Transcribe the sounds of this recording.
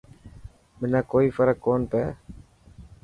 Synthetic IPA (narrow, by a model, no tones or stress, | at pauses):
mɪnaːkoːiːfəɾəkːoːnpɛː